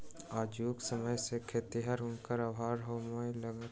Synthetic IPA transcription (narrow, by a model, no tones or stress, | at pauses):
aːd͡ʒjuːksəməjsekʰet̪iɦəɾʊnkəɾaːbʱaːɾɦoːmajləɡə